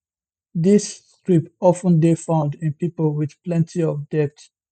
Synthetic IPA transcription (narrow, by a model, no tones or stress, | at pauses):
ðis | tɹipɔfə̃ndefãʊ̃ndɪ̃npipəlˠwið̥plɛ̃ntʰiɔvdɛt